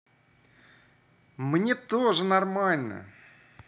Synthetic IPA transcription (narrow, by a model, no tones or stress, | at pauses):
mnʲet̪oʐɨnɐrmalʲnə̰